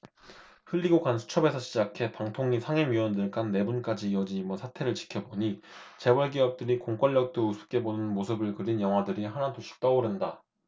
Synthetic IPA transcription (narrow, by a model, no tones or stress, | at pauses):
ɸɯʎːiɡokansʰu̥t͡ɕʰʌbe̞sʰʌɕʰid͡ʑakʰe̞paŋtʰoŋɲisʰaŋeŋɥiwʌndɯɭk͈anːe̞bunk͈ad͡ʑiːʌd͡ʑiɲimʌsʰatʰe̞ɾɯɭt͡ɕi̥kʰjʌboɲit͡ɕe̞wʌɭɡiʌp̚t͈ɯɾikoŋk͈ʌʎːʌk̚t͈ousʰu̥p̚k͈e̞bonɯnmosʰɯbɯɭkɯɾinjʌŋɦwadɯɾiɦanatoɕʰi̥k̚t͈ʌoɾɯnda